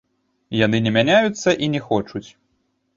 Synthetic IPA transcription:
janɨnʲɛmʲanʲajut̪sːɐʔinʲɛxɔt͡ʂut͡sʲ

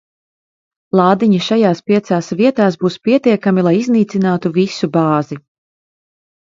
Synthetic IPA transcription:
lˠɑːd̪iɲiʃajaːspiɛt̪saːsviɛt̪aːsbuːspiɛt̪iɛkamilˠajizniːt̪sinaːt̪uvisubɑːzi

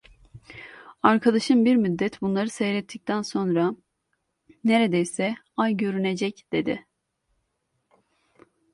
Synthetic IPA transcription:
aɾkʰad̪aʃɯmbiɾmyd̪ːɛt̪bunlˠaɾɯsejɾɛt̪ʰːic̚t̪ʰænso̞nɾa | ne̞ɾe̞d̪ejsɛ | ajɟø̞ɾyne̞d͡ʒɛcd̪̥e̞d̪ɪ̰

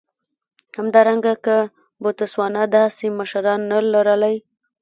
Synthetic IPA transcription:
hamd̪ɑɾaŋɡakə | bot̪əswɑnad̪ɑseməʃɾɑnːalaɾalaj

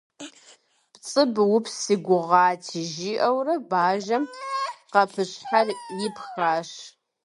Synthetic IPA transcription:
pt͡sʼɨbwʊpʰsiɡʷʊʁɑːtʰiʒiʔɐwrɐbaːʒɐmqɐpʰɨɕħarjɪpʰxaːʂ

